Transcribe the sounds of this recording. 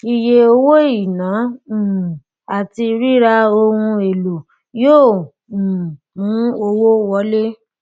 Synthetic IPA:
i˨je˧o˧wo˦i˨nã˨˦˨ | a˨ti˧ɾi˦ɾa˧o˧hũ˧e˨lo˨ | jõː˦˨ | mũ˨˦o˧wo˦wɔ˨˦le˦

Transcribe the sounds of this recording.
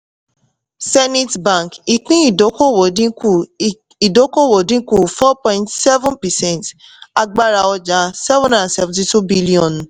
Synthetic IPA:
sɛ˦ni˦tbã˨ki˨kĩ˦i˨do˨˦ko˦wo˨dĩ˦ku˦˨ | i˨do˨˦ko˦wo˨dĩ˦ku˦˨fɔ˦pɔ̃˧˨ĩ˦ntsɛ˦vũ˦npɛ˨sɛ̃˦˨nt | a˧ɡ͡ba˦ɾa˧ɔ˧d͡ʒa˨˦sɛ˦vɔ̃˦nda˨a˨sɛ˨vũ˨ti˧tu˦bi˦li˦ɔ̃˨n˨

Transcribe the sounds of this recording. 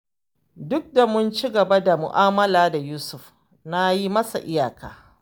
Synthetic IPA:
dʊ˦k̚da˨mʊ˦nt͡ʃi˦ɡɐ˨ba˦da˨mʊ̰˨ʔaː˦mɐ˦laː˨da˨juː˦sʊ˨ɸ | na˦ji˦mɐ˦sa̰˨ʔɪ˦jaː˨kaː˦

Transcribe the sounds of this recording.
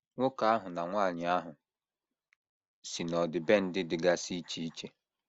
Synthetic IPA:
ŋʷʊ˦ka˨a˦ɦʊ˨na˨ŋʷaː˦˨ɲɪ˨a˦ɦʊ˨ | si˨nɔ˨dɪ˨be˦n̩˦dɪ˦dɪ˨ɡa˦si˦t͡ʃi˦i˦t͡ʃe˦

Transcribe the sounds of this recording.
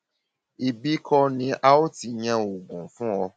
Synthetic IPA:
i˨bi˦kʰɔ˧nĩ˧˦ʔa˦o˦ti˧˦ɲã˧o˨ɡũ˨fũ˦ɔ˧

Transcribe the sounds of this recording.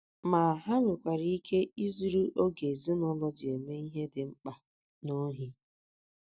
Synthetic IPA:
ma˨ɦa˦ŋʷʊ˨kʷa˨ɾi˦i˦kʰe˦i˦zu˨ɾu˦ʔo˦ɡe˨zi˦nɔ˦lɔ˦d͡ʒɪ˨e˨me˦i˦ɦe˦dɪ˨ŋ͡m̩˦k͡pa˨ | no˦ɦi˦

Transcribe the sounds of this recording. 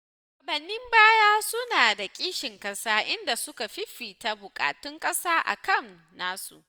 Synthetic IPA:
ʔa˨bɐ˨nːɪ˦mbaː˦jaː˦sʊ˦naː˨da˨kʲʼiː˦ʃɪ˨ŋkʼɐ˦saː˦ʔɪ˦nda˨sʊ˦ka˨ɸɪ˦ɸiː˨ta˦bʊ˨kʼa̰ː˨tʊ˦ŋkʼɐ˦saː˦ʔa̰˨kɐ˦m | naː˦sṵ˨ʔ

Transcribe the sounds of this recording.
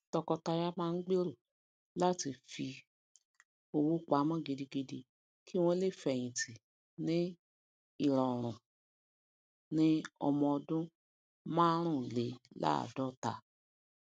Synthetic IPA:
tɔ˧kɔ˧ta˧ja˦mãː˦˧n̩˦ɡ͡be˦ɾo˦˨ | la˦ti˧fi˧ | o˧wu˦k͡pa˨˦mɔ̃˦˨ɡi˨˧di˧ɡi˧di˧ | ki˦w̃ɔ̃˦le˦˨fɛ˨j̃ĩ˨ti˨ | nĩ˦ | i˦˨ɾa˨ɾ̃ũ˨ | nĩ˦ɔ̰˧mɔ̃˧ɔ˧dũ˦ | mã˦ɾ̃ũ˦˨le˨˦la̰˦a̰˨dɔ˦ta˧

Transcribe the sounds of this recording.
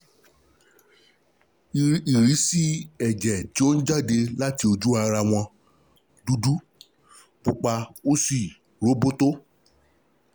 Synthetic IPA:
i˨ɾi˨˦si˦ɛ˨d͡ʒɛ˨ti˨˦o˦n̩˦d͡ʒa˦˨de˧la˦ti˧˦o˧d͡ʒu˦a˧ɾa˧w̃ɔ̃˧ | du˦du˦ | k͡po˨k͡pa˧o˦si˦˨ | ɾo˨˦bo˦to˦

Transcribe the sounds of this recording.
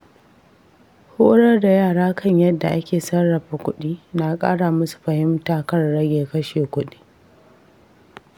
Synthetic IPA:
hʊ˦ɽɐ˦rda˨jaː˦˨ɽaː˦kʰɐ˦˨ɲjɐ˦dːa˨ʔa˦kʲeː˨sɐ˦rːɐ˨ɸa˨kʷʊ˦ɗiː˦na˨kʼa̰ː˦ɽaː˨mʊ˦su̥˨ɸɐ˨hɪ˦mtaː˨kɐ˦rːɐ˦ɡʲeː˨kɐ˦ʃeː˨kʷʊ˦ɗi̥ː˦

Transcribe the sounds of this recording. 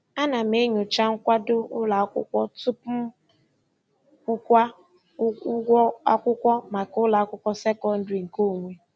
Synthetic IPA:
a˦na˨m̩e˦ɲo˨t͡ʃa˦ŋ̩˦kʷa˦dʊ˦ʊ˦la˨˦kʷʊ̰˦kʷɔ˦tu˦pm̩˦ | kʷʊ˦kʷa˦ | a˦kʷʊ˦kʷɔ˦ma˨kʊ˦la˨a˦kʷʊ˦kʷɔ˦se˦kɔ˦n̩˦dɾi˨ŋ̩˨ko˦˨ŋʷe˨

